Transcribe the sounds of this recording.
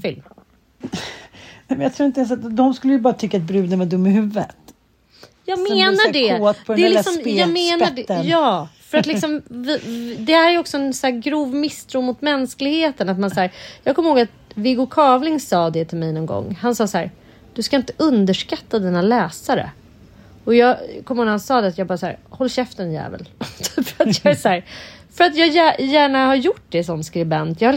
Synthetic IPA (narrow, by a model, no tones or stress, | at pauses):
fɪlm | nɛmɛnjat̪ɾuːɪnt̪əɛnsat̪d̪ɔmskɵlːəjəbɑːɾat̪ʰʏkːat̪̚bɾʉ̟ːd̪ənvɛd̪ɵmːɪɦʉvːət̪ | jɑːɡmeːnaɖɛt̪pʰɔɛælɪksɔmjɑːɡmenaɖɛjɑːfœɾat̪lɪksɔmvɪd̪ɛhæːɾæjɔksɔɛnsæːɾɡɾuːvmɪst̪ʰɾuːmʊt̪mɛnsklɪɡheːt̪ənat̪mansæːɾjɑːɡkʰɔmːəhoːɡat̪ | vɪɡʊkʰɑːvlɪŋsɑːd̪ɛt̪ʰɪlmɛjnɔnɡɔ̰ŋːhansɑːshæːɾ | d̪̥ɵskaɪnt̪ə̥ʔɵnd̪əʂkat̪ːad̪iːnalɛːsaɾə̰ | ɔjɑːɡkʰɔməhoːɡ̪ɡhansɑːd̪ɛat̪jɑːɡbɑːɾasæ̰ːɾhɔlːɕɛft̪ənjæ̰ːvə̰lfœɾat̪jɑæsæːɾfœɾat̪jɑːjæjæːɳahaɾjʊʈ̚ːd̪ɛsɔmskɾɪbɛnt̪jɑːha